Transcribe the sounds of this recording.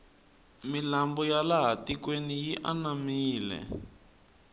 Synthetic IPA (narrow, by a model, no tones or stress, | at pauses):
milambɔjalaɦatikwenijiʔanamiːlɛ̰